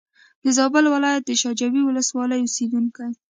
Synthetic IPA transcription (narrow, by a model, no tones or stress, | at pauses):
d̪̥əzɑbəlwɪlɑjat̪̚d̪əʃɑd͡ʒawiwʊləswɑləjʊsed̪uŋkaj